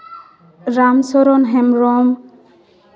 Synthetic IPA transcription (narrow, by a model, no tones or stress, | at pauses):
ɾamsɔɾɔnɦɛmɾɔm